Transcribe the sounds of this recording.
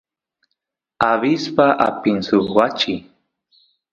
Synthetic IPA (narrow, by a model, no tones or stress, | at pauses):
aβispaʔa̰pɪnsʊwat͡ʃɪ